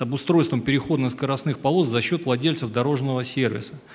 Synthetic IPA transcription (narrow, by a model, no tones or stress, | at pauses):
ɐbʊst̪ɾo̞jst̪vəmpʲɪɾʲɪxo̞d̪nəskəɾɐsnɨxpɐlˠo̞t̪zɐɕːo̞t̪vlˠɐdʲelʲsəfd̪ɐɾo̞ʐnəvəsʲe̞rvʲɪ̰sə